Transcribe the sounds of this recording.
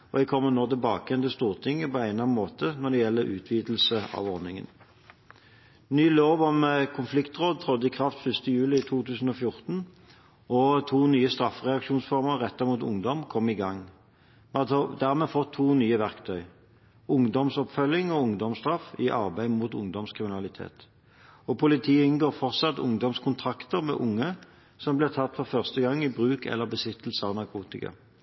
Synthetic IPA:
ɔd̪ɛkʰɔmːənɔːʁt̪ɪlbɑ̰ːkəɛnt̪ɪst̪uːʁt̪ʰɪŋːəpɔæɪnɑnmoːt̪ʰənɔd̪ɛjɛlːəɾʔʉ̰ːt̪ʰʋiːd̪l̩səɑ̰ːʋɔʁnɪŋə̰n | nyːloːʋɔmkʰʊnflɪkt̪ʁoːd̪̚t̪ʰʁɔd̪ːəɪkʰʁɑft̪fʏst̪əjʉːlɪɪt̪ʰuːt̪ʉːsən̩ɔːfjʊʁt̪n̩ | ɔt̪ʰuːnyːəst̪ʁɑfʁɛɑkʂuːnsfɔʁməʁɛt̪ːɑmuːt̪ʊ̰ŋd̪ɔmkʰɔmːɪɡɑŋ | mt̪d̪æʁmɛːfɔt̪ʰːuːnyːəʋæʁkt̪ʰœʏ | ʊŋd̪ɔmsɔpfœlːɪŋɔʊŋd̪ɔmst̪ʁɑfɪʔɑʁbæɪmuːt̪ʊ̰ŋd̪ɔmskʰʁɪmɪnɑlɪt̪ʰḛːt̪ | ɔpʰʊlɪt̪ʰiːəɪnɡoːʁfɔʁt̪sɑt̪ːʊ̰ŋd̪ɔmskʰʊnt̪ʰʁɑkt̪əʁmɛ̰ʔʊŋːə | sɔmblɛːt̪ʰɑt̪ːfɔʁfœʁst̪əɡɑŋːɪbʁʉːkɛ̰lːəʁbəsɪt̪ːəl̩səɑʋnɑʁkʰuːt̪ɪkɑ̰

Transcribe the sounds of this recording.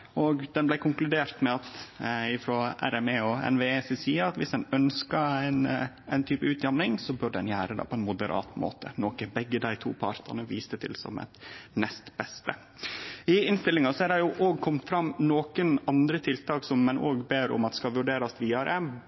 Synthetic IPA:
ɔɡd̪ɛnblæɪkʰʊŋklʉd̪eːɾt̪mɛɑt̪ɪfɾɔæ̰ɾɛmeɔɛ̰nʋeːsɛsiːəɾɑt̪ʋɪsd̪ɛnœnskɑæn | æɪnt̪ʰyːpəʉːt̪ʰjɑmnɪŋsɔbʉɖəd̪ɛ̰njæːɾəd̪ɛ̰pʰɔɛnmʊd̪əɾʔɑ̰ːt̪mo̰ːt̪ə̰noːkəbɛɡːəd̪æɪt̪ʰṵːpʰɑɾt̪ɑ̰nəʋiːst̪ət̪ʰɪ̰lsɔ̰mɛ̰t̪nɛst̪bɛst̪ə | ɪɪnst̪ɪlːɪŋɑsɔæɾɑɾjʊʔoːɡ̚kʰɔmt̪fɾɑmːnoːkənɑnd̪ɾət̪ʰɪlt̪ʰɑːksɔmːɛnʔoːɡbeːɾʊ̰mɑt̪skɑlʋʉɖeːɾɑsʋiːɑɾʔə

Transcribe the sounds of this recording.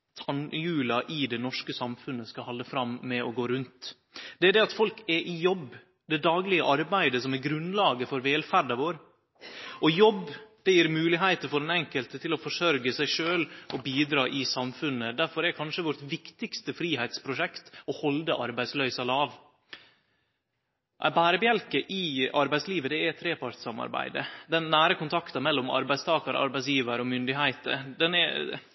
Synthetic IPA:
t̪ʰɑnjʉːlɑʔɪd̪ɛnɔʂkəsɑmfʉnːəskɑhɑlːəfɾɑmːɛɔɡoːɾʉnt̪ | d̪̥ɛæɖ̪ɛɑt̪fɔlkɛʔɪjɔbː | d̪ɛd̪ɑːɡlɪəʔɑɾbæɪd̪əsɔmɛɾɡɾʉnlɑːɡəfɔɾʋeːlfæɾd̪ɑʋoːɾ | ʔɔjɔbd̪̥ɛjiːɾmʉːlɪɦæɪt̪əfɔɖɛnɛŋkəlt̪ət̪ʰɪlɔfɔʂœɾɡəsæɪʂøːlʔɔbiːd̪ɾɑːʔɪsɑmfʉnːəd̪æɾfɔɾɛkʰɑnʂəʋɔɾʈʋɪkt̪ɪɡst̪əfɾiːɦæɪt̪spʰɾʊʂɛkt̪ɔhɔld̪əʔɑɾbæɪslœʏsɑlɑːʋ | ʔæ̰bæːɾəbjɛlkəʔɪɑɾbæɪsliːʋəd̪ɛɛt̪ʰɾeːpʰɑɾt̪sɑmɑ̰ɾbæ̰ɪd̪ə̰d̪ɛnːæːɾəkʊnt̪ʰɑkt̪ɑmɛlːɔmɑ̰ɾbæɪst̪ʰɑːkɑɾʔɑ̰ɾbæɪsjiːʋəɾəɔmʏnd̪ɪɦæɪt̪ə̰ɾd̪ɛnɛ̰

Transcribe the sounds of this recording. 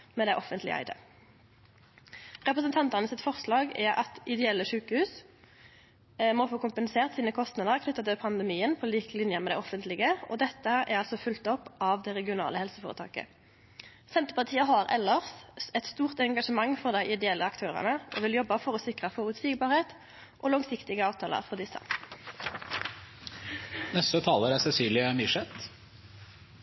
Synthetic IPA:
mɛd̪ɛɪʔɔfənt̪lɪ̰ʔæ̰ɪd̪ə̰ | ʁɛpʁəsənt̪ʰɑnt̪əʁnəsɪt̪fɔʁslɑːɡɛʔɑ̰t̪ɪd̪ɛɛlːəʂʉːkəhʉːs | moːfoːkʊmpənseːʁt̪siːnəkʰɔst̪nɑd̪əʁkʰnʏt̪ːɑt̪ɛpʰɑnd̪əmiːənpʰɔliːklɪnjəmɛd̪æɪɔfənt̪lɪɡəɔd̪ɛt̪ːəɛ̰ʁɑlsɔfʉlt̪ɔpːɑʋd̪ɛʁɛɡɪʊnɑ̰ːləhɛlsəfoːʁət̪ʰɑ̰ːkə̰ | sɛnt̪əpɑʁt̪ʰiːəɦɑʁɛlːəʁsɛt̪st̪uːʁt̪ɛŋɡɑʂəmɑŋːfɔʁd̪æɪʔɪd̪ɛɛlːəɑkt̪ʰøːʁə̰nəʔɔʋɪljɔbːəfɔʁɔsɪkʁəfɔʁʉt̪siːɡbɑːʁheːt̪ | ʔɔlɑŋsɪkt̪ɪɡəɑːʋt̪ʰɑːlə̰ʁfɔʁd̪ɪsːə̰ | nɛst̪ət̪ʰɑːləɾæsɛsyːlɪəmɪʂɛt̪

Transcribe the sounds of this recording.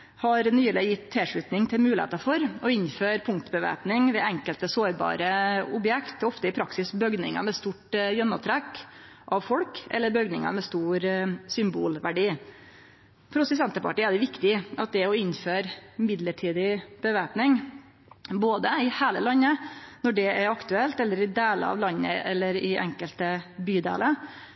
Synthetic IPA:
hɑɾnyːlɛjɪt̪ʰːɛʂɭʉːt̪nɪŋt̪ʰɪlmʉːlɪḛːt̪əɾfɔɾɔɪnːføːɾpʰʊŋkt̪bəʋḛːpnɪŋʋɛɛŋkəlt̪əsoːɾbɑ̰ːɾəʊbjɛkt̪ɔft̪əɪpʰɾɑksɪsbœɡnɪ̰ŋə̰mɛst̪uːʈjɛnːɑt̪ʰɾɛkː | ʔɑʋfɔlkʔɛ̰lːəɾbœɡnɪŋɑ̰mɛst̪uːɾsʏmbṵːlʋæɖiː | pʰɾʊsəs̬ɛnt̪əpʰɑ̰ʈɪæd̪ɛʋɪkt̪ɪʔɑt̪̚d̪ɛɔɪnːføːɾmɪd̪ləʈʰiːd̪ɪb̥əʋeːpnɪŋ | boːd̪əɪhæːləlɑnːənɔɖɛɛɾɑkt̪ʉɛlt̪ɛlːəɾɪd̪eːlə̰ɑ̰ʋlɑnːə̰ʔɛlːəɾɪʔɛ̰ŋkəlt̪əbyːd̪ḛːlə

